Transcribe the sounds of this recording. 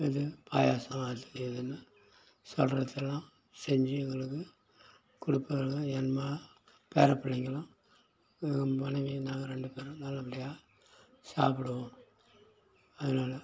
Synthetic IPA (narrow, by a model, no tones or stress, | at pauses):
ɪðɯpʰa̰ːjaːsɐaːt̪ɯɛðɐnːɯ | sɔlɾɐt̪ːɛlːãː | sɛɲd͡ʒiɪŋɡɐɭɯkːɯ | kʊɽɪpːɐɣɐɭŋɐɛnmaː | peːɾɐpːɐɭːɐŋɡɐɭɐ̃ | mɐnɐʋinaːɡɐɾɛɳɖɯpeːɾnɐlːɐpːɐɽɪjaː | saːp̬ɪɽɯʋõm | ɐðɯnaːlɐ